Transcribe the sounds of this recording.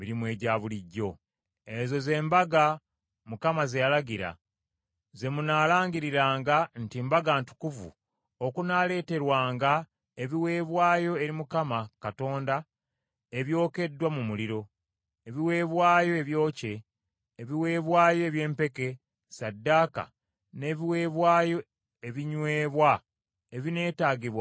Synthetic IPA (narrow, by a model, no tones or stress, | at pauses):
βiɾimwe̞ːɟaːβuliɟːo̞ | ezo̞ze̞ːmbaɡa | mukamazejalaɡiɾa̰ | ze̞munaːlaːɲɟiɾiɾaːŋɡantimbaɡaːntu̥kuvṵ | o̞kunaːle̞ːte̞ɾwaːŋɡa | e̞βiwe̞ːβwaːjo̞e̞ɾimukamakato̞ːnda | e̞βjo̞ːke̞dːwamumuliɾo̞ | eβiwe̞βwaːjo̞e̞βjo̞ːce̞ː | βiwe̞ːβwaːjo̞eβje̞ːmpe̞ke̞ | sadːaka̰ | ne̞ːβiwe̞ːβwaːjo̞ | eβiɲwe̞ːβwa | eβine̞ːtaːɟiβwa